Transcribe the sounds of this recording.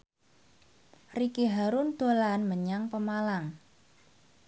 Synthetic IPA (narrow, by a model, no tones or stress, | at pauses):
rikiɦaɾʊnd̪̥olanməɲaŋpəmalaŋ